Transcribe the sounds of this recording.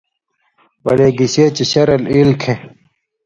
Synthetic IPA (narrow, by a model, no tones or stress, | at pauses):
bɐleːɡiɕeːt͡ɕiɕɐɾɐlilkʰẽ